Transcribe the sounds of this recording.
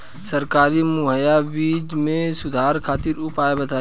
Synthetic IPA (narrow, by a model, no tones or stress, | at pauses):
sɐɾkaːɾimʊɦəjabiːd͡ʒmẽsʊd̪ʱaːɾkʰaːt̪iɾʊpaːebɐt̪aː